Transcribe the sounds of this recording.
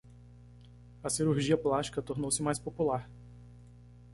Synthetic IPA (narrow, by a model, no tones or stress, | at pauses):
ɐsiɾuɾʒiɐplast͡ʃi̥kɐt̪oɾnowsɪmajspopulaɾ